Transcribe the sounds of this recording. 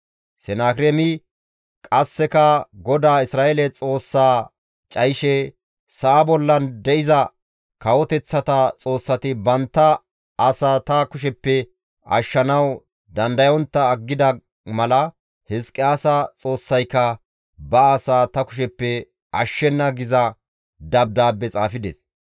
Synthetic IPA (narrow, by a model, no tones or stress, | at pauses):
sɛnaːkɾɛmɪ | kʼɐsːɛkɐɡɔd̪aːɪsɾaːʔelɛt͡sʼo̞ːsːaː | t͡ʃʼɐjɪʃɛ | saːbɔlːɐnd̪ɛʔɪzɐ | kɐwɔt̪ɛt͡sːɐt̪ɐt͡sʼo̞ːsːɐt̪ɪbɐnt̪ːɐː | saːt̪ɐkʊʃ̬ɛpːɛ | ɐ̰ʃːɐnɐw | d̪ɐnd̪ɐjɔnt̪ːɐːɡːɪd̪ɐ | mɐlɐ | hɛskʼːɪaːsɐt͡sʼo̞ːsːɐjkːɐ | bɐasaːt̪ɐkʊ̥ʃ̬ɛpːɛ | ʔɐ̰ʃːɛnːɐɡɪzɐ | d̪ɐb̚d̪aːbːɛt͡sʼa̰ːfɪd̪ɛ̰s